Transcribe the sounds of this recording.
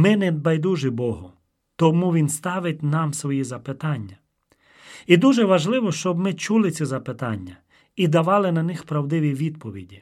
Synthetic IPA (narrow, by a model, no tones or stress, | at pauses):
mɪnɛd̪̚bɐjd̪uʒɪbɔɦʊ | t̪ɔmuʋʲinst̪ɑʋɪtʲnɑmsʋɔjizɐpɪt̪ɑnʲːɐ | id̪uʒɛʋɐʒlˠɪʋɔʃt͡ʃɔbmɪt͡ʃulˠɪt͡sʲizɐpɪt̪ɑnʲːɐ | id̪ɐʋɑlˠɪnɐnɪxpɾɐwd̪ɪʋʲiʋʲid̪pɔʋʲḭdʲi